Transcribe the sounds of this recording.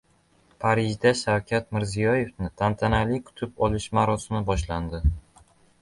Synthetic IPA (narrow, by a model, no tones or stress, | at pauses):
pʰaɾɪʒd̪aʃawkʲʰat̪mɪɾzijɒje̞fnɪt̪ʰant̪ʰanalikʰʊ̥t̪ʰɪpɒlɪʃmaɾɒsɪmɪbɒʃland̪ɪ